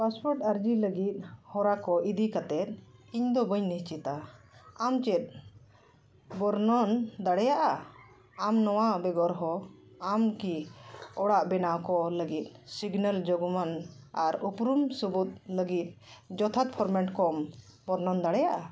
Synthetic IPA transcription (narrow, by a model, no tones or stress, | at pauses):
paspɔɾʈəɾd͡ʒiləɡit̪̚ˀhɔɾakɔʔid̪ikat̪ɛt̪̚iɲd̪ɔbəɲniɦt͡ʃit̪a | amt͡ʃɛt̪̚ | bɔɾnɔnd̪aɽɛjaʔa | amnɔwabɛɡɔɾɦɔamkiɔɽaʔbɛnawkɔləɡit̪̚ˀsiɡnəld͡ʒɔɡɔmanaɾupɾumsubut̪̚ləɡit̪̚ˀd͡ʒɔt̪ʰat̪̚pʰɔɾmɛɳʈkɔmbɔɾnɔnd̪aɽɛjaʔa